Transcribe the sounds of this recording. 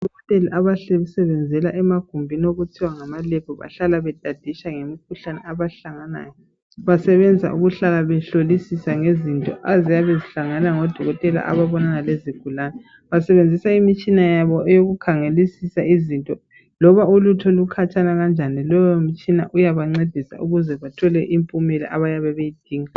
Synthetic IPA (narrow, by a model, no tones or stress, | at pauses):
dʱɔɔtʼeliʔaβaɬɛusɛβɛnd͡zʱɛlaʔɛmaɡ̥ʱumbʱinioɣutʰiwaŋamalɛpʰɔβa̰ɬalaβɛd̥ʱʼad̥ʱiʃaŋemikʰuɬanɛaβaɬaŋana̰ːjɔ | βasɛβɛnd͡zʱa̰ʔuɣuɬalaβɛɬolisisaŋezintʼɔ̰ʔazijaβeziɬaŋanaŋɔd̥ʱɔɣɔtʼɛla̰ʔa̰βaβɔnanaleziɡ̥ʱulanɛ | βasɛβend͡zʱisaimit͡ʃʼinajaβɔʔɛjoɣukʰaŋelisisaizintʼɔ | lɔβaulutʰɔlukʰat͡ʃʼanaɣand͡ʒʱanilɔjomit͡ʃʼinaʔujaβaŋ͡ǀed̥ʱisa̰ʔuɣuzɛβatʰɔlɛʔimpʼumɛlɛ̰ʔaβajaβɛβejid̥ʱiːŋa